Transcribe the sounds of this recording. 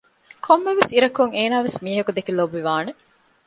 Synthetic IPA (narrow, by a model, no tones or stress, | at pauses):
kʰomːeʋesiɾɐkuŋeːnaːʋesmiːɦɐkud̪ekilobʋiʋaːne